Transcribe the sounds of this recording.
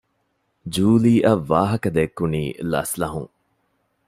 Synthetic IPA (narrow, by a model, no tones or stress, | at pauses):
d͡ʒuːliːʔɐʋːaːɦɐkɐd̪ekːuniːlɐ̰slɐɦuŋ